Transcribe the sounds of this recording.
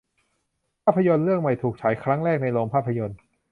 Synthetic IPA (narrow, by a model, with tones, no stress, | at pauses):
pʰaː˥˩pʰːa˧jo˧nɾɯ˥˩əŋma˨˩jt̪ʰuː˨˩k̚t͡ɕʰaː˩˦jkʰɾa˦˥ŋɾɛː˥˩k̚na˧jloː˧mpʰaː˥˩pʰːa˧jo˧n